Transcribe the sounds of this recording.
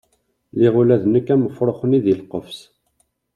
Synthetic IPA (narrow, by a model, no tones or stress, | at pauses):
liʁulæðnəkːæməfɾˤoχəniðilqːəfs